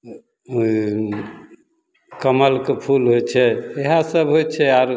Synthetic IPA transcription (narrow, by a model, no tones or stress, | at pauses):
kəməlkepʰulɦojt͡ʃʰɛeɦasəbɦojt͡ʃʰɛaɾ